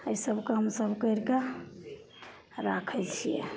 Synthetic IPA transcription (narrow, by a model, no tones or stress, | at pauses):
əisəbʱkɦəmsəbkəɾke | ɾakʰəlt͡ʃʰijɛ̰